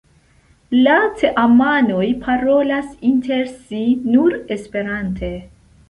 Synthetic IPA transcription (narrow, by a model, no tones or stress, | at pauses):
lat͡seʔamano̞jpʰaɾo̞lasintʰe̞ɾsinuɾe̞spe̞ɾantʰe̞